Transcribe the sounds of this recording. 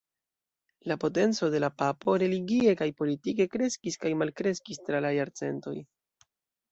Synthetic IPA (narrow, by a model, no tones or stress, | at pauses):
lapo̞te̞nt͡so̞de̞lapapo̞ɾe̞liɡie̞kajpo̞litike̞kɾe̞skiskajmalkɾe̞skistɾalajaɾt͡se̞̰nto̞j